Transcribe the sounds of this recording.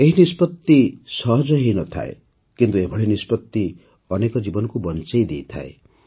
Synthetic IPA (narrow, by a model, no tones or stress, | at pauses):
eɦinispɔt̪ːisɔɦɔd͡ʒɔɦinɔt̪ʰa̰ḛ | kint̪uebʱɔɽinispɔt̪ːi | ɔnekɔd͡ʒibɔnɔkubɔnt͡ʃejd̪ejt̪ʰa̰e